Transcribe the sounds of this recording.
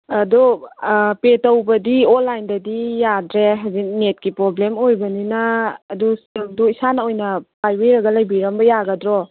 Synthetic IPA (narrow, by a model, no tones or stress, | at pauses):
ɐdu | petɐwbɐdionlːajndɐdijadɾeɦazinet̚kipɾoblemojbɐninɐːduseduisanɐojnɐpajweɾɐɡɐlajbiɾɐmbɐjaɡɐdɾɔ